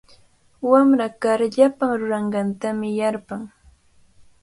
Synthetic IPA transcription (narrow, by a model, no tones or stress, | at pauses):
wamɾakaɾʎapaŋɾʊɾɑɴɢɑnt̪amɪjaɾpaŋ